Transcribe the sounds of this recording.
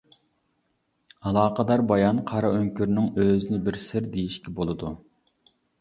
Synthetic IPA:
ɑlˠɑːqəd̪ɑɾbɑjɑnqʰɑɾɑøŋkʲyɾnɪŋøzɪnɪbɪɾsɪɾd̪ejiʃkʲɛbolˠɨd̪u

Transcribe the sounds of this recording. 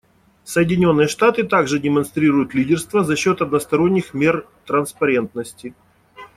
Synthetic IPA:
səjɪdʲɪnʲo̞nːɨjəʂt̪at̪ɨt̪aɡʐɨdʲɪmɐnst̪ɾʲiɾʊjʊt̪lʲidʲɪrst̪vəzɐɕːo̞t̪ɐd̪nəst̪ɐɾo̞nʲːɪxmʲe̞r | t̪ɾənspɐɾʲe̞nt̪nəsʲtʲɪ

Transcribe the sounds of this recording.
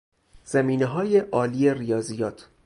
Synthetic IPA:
z̥æmiːneɦɒːjeʔɒːliːerijɒːziːjɒːt̪ʰ

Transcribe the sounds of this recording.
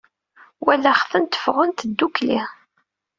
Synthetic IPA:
wælːæχθənt̪ə̥fʁənt̪d̪ːuklḭ

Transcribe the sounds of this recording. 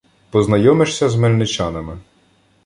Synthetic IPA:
pɔznɐjɔmɪʃsʲɐzmelʲnɪt͡ʃɑnɐmɪ

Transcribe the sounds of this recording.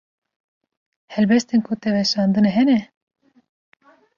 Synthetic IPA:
hɛlbɛst̪enkʰut̪ɛvɛʃɑːnd̪ɨnɛɦɛnɛ

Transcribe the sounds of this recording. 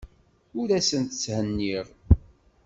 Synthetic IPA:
ʊɾæsənt̪t͡sːhənːiʁ

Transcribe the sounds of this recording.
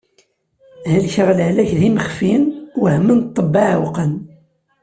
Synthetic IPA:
hælçəʁlʕlæçðiməχfiənwəhmːənt̪ˤːəbːɑʕwqən

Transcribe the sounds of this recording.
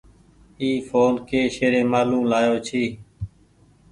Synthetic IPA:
iːfʰoːnkeːʃeːɾẽːmaːlũːmlaːjoːt͡ʃʰiː

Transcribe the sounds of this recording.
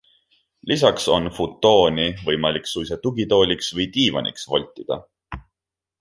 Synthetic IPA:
lis̬ɑkso̞nfut̪ːˑo̞ːnivɤjmɑlʲiksujset̪uɡit̪o̞ːlʲiksvɤjt̪iːvɑ̰nḭksvo̞̰lʲt̪ːˑid̪̥ɑ̰

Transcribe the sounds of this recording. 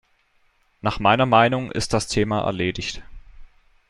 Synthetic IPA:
naːχmaɪnɐmaɪnʊŋʔɪ̰st̚d̥astʰeːmaʔɛ̰ɐleːdɪçt

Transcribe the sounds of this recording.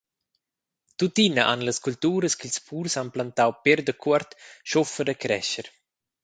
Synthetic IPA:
t̪ut̪inəʔa̰nləskult̪uːɾəskilspʰuːɾsanplant̪awpeɾd̪əkʰuaɾt̪ʃɔfəɾəkɾɛ̰ʃəɾ

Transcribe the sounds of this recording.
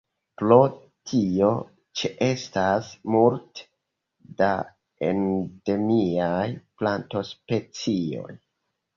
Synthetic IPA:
pɾo̞ | tʰio̞ | t͡ʃeʔestasmult | da | ḛnde̞miajplanto̞spe̞t͡sio̞̰j

